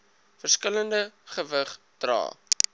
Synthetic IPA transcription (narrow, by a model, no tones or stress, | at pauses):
fərskələndəχəvəχ | d̥rɑ̰ː